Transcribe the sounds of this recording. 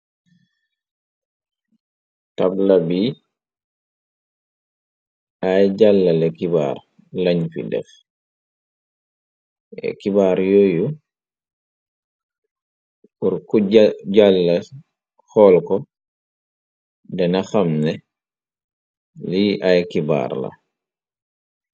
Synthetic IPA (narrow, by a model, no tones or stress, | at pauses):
tablabi | ʔajɟalːalɛkiba̰ɾ | laɲfḭdɛ̰f | ɛ̰kibaːɾjoju | uɾkuɟalːa | xɔlkɔ | dɛnaxamnɛ | liʔajkiba̰ːɾla̰